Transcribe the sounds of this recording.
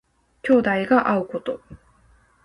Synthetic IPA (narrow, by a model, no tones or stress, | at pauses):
kʲo̞ːd̪aiɡaʔaɯ̟ko̞t̪o̞